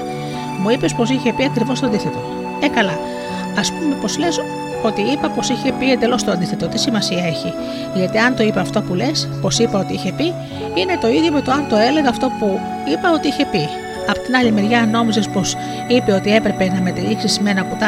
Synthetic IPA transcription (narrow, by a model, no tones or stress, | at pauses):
muipe̞spo̞siçepiɐkɾivo̞st̪oɐnd̪iθe̞t̪o̞ | ekɐlɐː | spume̞po̞zle̞s | o̞t̪iipɐpo̞siçe̞piend̪e̞lo̞st̪oɐnd̪iθe̞t̪o̞t̪isimɐsiɐe̞çi | ʝɐt̪iɐnt̪o̞ipeɐft̪o̞pule̞spo̞sipɐo̞t̪iiçe̞pi | ine̞t̪o̞iðʝjomet̪oɐnt̪o̞e̞leɣɐɐft̪o̞pu | ipɐo̞t̪iiçe̞pi | ɐpo̥t̪inɐlimeɾʝɐno̞misespo̞s | ipe̞o̞t̪ie̞pɾe̞pe̞nɐmet̪iliksisme̞nɐkut̪ɐ